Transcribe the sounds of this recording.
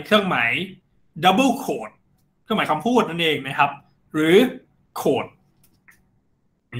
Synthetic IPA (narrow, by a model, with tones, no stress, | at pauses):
kʰɯ˥˩əŋma˩˦j | da˦˥bɯ˥˩wkʰoː˨˩t̪̚ | kʰɯ˥˩ŋma˨˦jka˧mpʰuː˥˩t̪̚na˥nʔeː˧ŋna˦˥kʰa˦˥p̚ | ɾɯː˩˦ | kʰoː˨˩t̪̚